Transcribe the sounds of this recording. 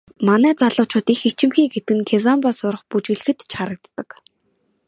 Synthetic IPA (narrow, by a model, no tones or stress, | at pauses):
manæːt͡saɮʊːt͡ɕʊːt̪ixit͡ɕɪ̆mxiːɡet̪ɘ̆kɘ̆ŋkʰezampasʊɾə̆χput͡ɕɣɘ̆ɮ̆xɘ̆t̪t͡ɕʰχaɾə̆k̚t̪ːə̆k